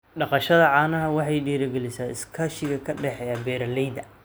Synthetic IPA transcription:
ɖɑqɑʃɐðɐʕɑːnɐɦɐwɑħɑjɖiːɾɐɡɛlɪsaːɪskʰaːʃɪɣɐkʰɐɖɛħɛɐbɛːɾɐlɛjd̪ɐ

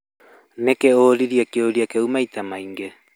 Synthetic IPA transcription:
nekeoːɾiɾiakioɾiakeumajt̪amajŋɡe

